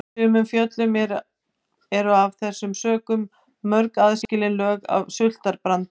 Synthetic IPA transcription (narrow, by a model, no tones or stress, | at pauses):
ʏːmʏmfjœt̪lʏmɛɾ | ɛɾʏavθɛsːʏmsœːkʏmː | œɾkaðscɪlɪnlœːɣa̰vsʏl̥t̪aɾpɾant̪